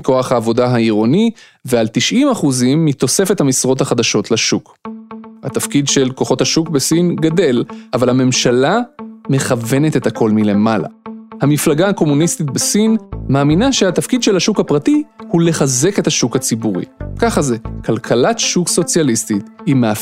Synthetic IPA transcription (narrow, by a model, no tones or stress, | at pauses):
ko̞aχhaːvo̞daɦaiʁo̞ni | vealtiʃʔimaχuzimːit̪o̞se̞fethamisʁo̞thaχad̪aʃo̞tlaʃuk | ha̰t̪afkidʃe̞lko̞χo̞thaʃukbesinɡade̞lʔavalhame̞mʃalame̞χave̞ne̞te̞thako̞lmile̞mala̰hamiflaɡahako̞munist̪it̚besinmaːminaʃehatafkid̪ʃe̞lhaʃukhapʁatihule̞χaze̞ke̞thaʃukhat͡sibuʁḭkaχaze̞kalkʰalatʃukso̞t͡sjalistit̪himea